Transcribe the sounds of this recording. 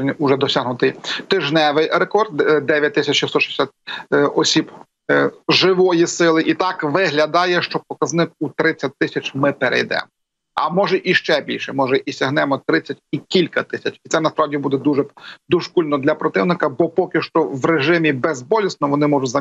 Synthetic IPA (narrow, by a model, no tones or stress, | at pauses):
nʲʊʒɛd̪ɔsʲaɦnʊt̪ɪjt̪ɪʒnɛʋɪjɾekɔrd̪d̪ɛʋʲjɐt̚ʲt̪ɪsʲɐt͡ʃist̪ɔʃɛ̥sʲat̪̚ʲɔsʲib | ʒɪʋɔjisɪlˠɪʔit̪ɑkʋɪɦlʲɐd̪ɑjɛʃt͡ʃɔpɔkɐznɪkut̪ɾɪt͡sʲːɐt̚ʲt̪ːɪsʲɐt͡ʃmɪpeɾʔɛ̰jd̪ɛ̰mɔ | ɐ̰mɔʒɛʔiʃt͡ʃɛbʲḭlʲʃɛmɔʒɛʔisʲɐɦnɛmɔt̪ɾɪt͡sʲːɐtʲikʲilʲkɐt̪ɪsʲɐt͡ʃit̪sɛnɐspɾɑʋdʲibud̪ɛd̪uʒɛd̪uʒkulʲnɔd̪lʲɐpɾɔt̪ɪʋnɪkɐbɔpɔkʲɪʃt͡ʃɔʋɾeʒɪmʲibezbɔlʲisnɔʋɔnɪmɔʒʊtʲzɐ